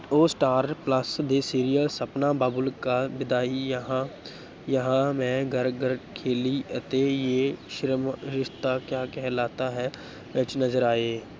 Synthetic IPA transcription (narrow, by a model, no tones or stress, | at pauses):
oːsʈaːɾpləsd̪eːsiːɾijəlsɐpnabaːbʊlkabɪd̪ʱaːijəɦã | jəɦãmɛ̃ɡəɾɡəɾkʰeːliət̪ejeʃɾmɾɪʃt̪akjaːkɛɦlaːt̪aɦɛː | ʋɛt͡ʃnɐzəɾaːeː